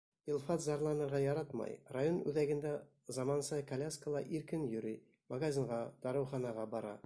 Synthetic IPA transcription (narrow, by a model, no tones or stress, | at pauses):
ilˠfɑt̪zɑɾlˠɑnɤ̆ɾʁɑjɑɾɑt̪mɑ̰jrajonʉðæɡɘ̆nd̪æ | zɑmɑnsɤkɐlʲaskəlˠɑʔiɾkɘnjɵ̆ɾi | maɡazʲiɴʁɑd̪̥ɑɾɤ̆wχɑnɑʁɑbɒɾɑ̰